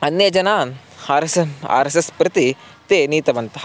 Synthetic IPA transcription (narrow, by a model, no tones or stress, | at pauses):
ɐnːjɐd͡ʒɐnaːn | aːɾɐsa̰ːɾesɐspɾɪt̪i | t̪eːniːt̪ɐʋɐnt̪ɐ